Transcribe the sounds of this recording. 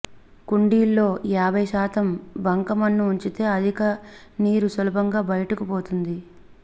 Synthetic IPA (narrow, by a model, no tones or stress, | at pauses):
kuɳɖiːlːo̞ːaːbʱɐjʃaːt̪ɐmbɐŋkɐmɐnːuuɲt͡ʃit̪e̞ːɐd̪ʱikɐniːɾusɐlɐbʱɐŋɡaːbɐjɐʈukupo̞ːt̪und̪i